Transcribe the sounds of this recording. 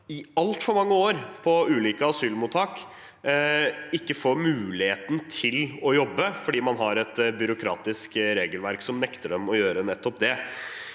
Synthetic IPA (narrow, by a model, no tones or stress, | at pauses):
ɪɑlt̪fɔɾmɑŋːəoːɾpʰɔʉːliːkəɑsyːlmuːt̪ʰːɑːk | ɪkːəfoːɾmʉːlɪheːt̪nt̪ʰɪlɔjɔbːəfɔɖiːmɑnɦɑɾɛt̪bʏɾʊkʰɾɑ̰ːt̪ɪskɾeːɡəlʋæɾksɔmnɛkt̪əɖɛmɔjøːɾənɛt̪ːɔp̚d̪ɛ